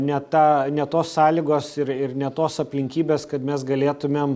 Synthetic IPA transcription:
nʲɛt̪ɑːnʲɛt̪oːssɑːlʲiːɡoːsɪɾɪrnʲɛt̪oːsɐpʲlʲɪŋʲkʲiːbʲeːskɐt̪mʲɛsɡɐlʲeːt̪ʊmʲeːm

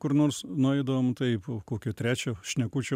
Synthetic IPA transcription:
kʊrnoːrsnʊɛɪd̪ɐʋoːmt̪ɐɪpkoːkʲoːt̪ʲɾʲæːt͡ʃʲoːʃʲnʲɛkuːt͡ʃʲo

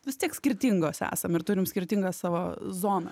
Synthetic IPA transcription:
ʋʲɪst̪ʲiɛksʲkʲɪɾʲt̪ʲɪŋɡoːsæ̰ːsɐmɪɾt̪ʊɾʲɪmsʲkʲɪɾʲt̪ʲɪŋɡɑːsɑːʋoːzoːnɐ

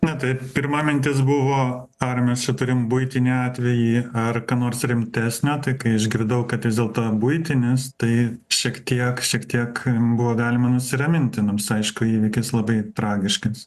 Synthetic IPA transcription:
nʲɛt̪ɐɪpʲɪrmɑmʲɪnʲt̪ʲɪs̬bʊʋoː | ɐrmʲɛst͡ʃʲɛt̪ʊɾʲɪmbʊɪt̪ʲɪnʲiːɑːt̪ʲʋʲɛjiːɐrkɑːnoːrsɾʲɪmʲt̪ʲæːsʲnʲot̪ɐɪkɐɪɪʒʲɡʲɪrd̪ɐʊkɐt̪ʋʲɪzd̪ʲeːlˠt̪oːbʊɪt̪ʲɪnʲɪst̪ɐɪʃʲiɛkt̪ʲiɛkʃʲiɛkt̪ʲiɛkbʊʋoːɡɑːlʲɪmɐnʊsʲɪɾɐmʲɪnʲt̪ʲɪnʊmsɐɪʃkʊiːʋʲɪkʲɪslˠɐbɐɪt̪ɾɑːɡʲɪʃkʲɪs

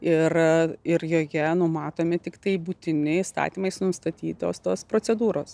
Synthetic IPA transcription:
ɪrɪɾjoːjɛnʊmɑːt̪oːmʲɪt̪ʲɪkt̪ɐɪbuːt̪ʲɪnʲɪist̪ɑ̰ːt̪ʲiːmɐɪsnʊst̪ɐt̪ʲiːt̪o̰ːst̪oːspɾoːt͡s̪ʲɛd̪uːɾoːs

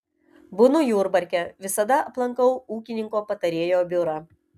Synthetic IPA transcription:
bʊnʊjuːɾbɐɾʲkʲɛʋʲɪsɐd̪ɐɐplˠɐŋkɐʊuːkʲɪnʲɪŋkoːpɐt̪ɐɾʲeːjoːbʲʊɾɐ

